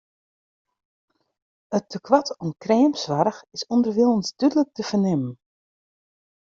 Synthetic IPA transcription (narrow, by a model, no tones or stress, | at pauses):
ətːəkʰwatʰɔmkrɛːmsʋaɾəxɪsɔndərʋiəlˠənsd̥ydələk̚təfərnɪmən